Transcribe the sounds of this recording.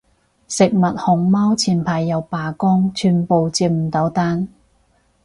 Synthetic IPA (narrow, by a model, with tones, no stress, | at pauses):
sɪ˨k̚mɐ˨t̚hʊ˨˩ŋmaː˥wt͡sʰiː˨˩npʰaː˨jːɐ˨˧wpaː˨˩kɔː˥ŋt͡ʃʰyː˨˧npo˨wt͡siː˧m̩˨˩t̪ɐ˨˥wt̪aː˥n